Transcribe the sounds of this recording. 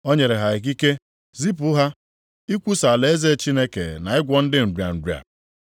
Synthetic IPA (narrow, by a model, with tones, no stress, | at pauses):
o˦ɲe˨ɾe˨ɦa˨e˨k̬i˦ke˦ | zi˦p̬ʊ˦ɦa˦ | i˦kʷu˦sa˨le˨e˦ze˦˨t͡ʃi˦ne˦kḛ˨na˨ɪ˦ɡʷɔ˦n̩˦dɪ˦m̩˨dja̰˨n̩˨dja̰˨